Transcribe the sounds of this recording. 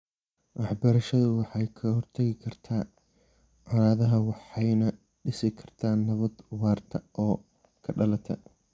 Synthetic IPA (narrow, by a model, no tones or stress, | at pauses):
wʔɑħbɐɾɐʃɐðʊwɑħɑjkʰɐhɔrt̪ʰɐɣɪkʰɐrt̪ʰaː | ʕɑɾaːðɐɦɐwɑħɑjnɐ | ɖɪsɪkʰɐ̥rt̪ʰaːnːɐβɐd̪wɑːrt̪ʰɐʔɔː | kʰɐɖɐlɐt̪ʰɐ̰